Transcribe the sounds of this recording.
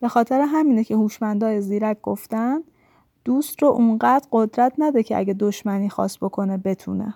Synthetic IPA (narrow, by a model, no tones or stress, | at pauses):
b̥e̞xɒːt̪ʰeɾeɦæmiːnecʰe̞huːʃmænd̪ɒːjeziːɾæk̚ɡ̥oft̪ænd̪ | d̪̥uːst̪roʔunɢæːd̪ɾɢo̞d̪ɾæt̪ʰnæd̪ecʰeʔæ̰ɟed̪oʃmæniːxɒ̰ːsbokʰo̞nebe̞t̪ʰṵːnḛ